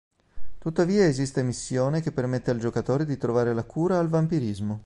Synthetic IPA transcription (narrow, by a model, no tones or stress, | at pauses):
t̪ut̪ːaviːaezist̪emisːjoːnekepːermet̪ːeald͡ʒokat̪oːɾed̪it̪ɾovaːɾelakuːɾaːlvampiɾizmo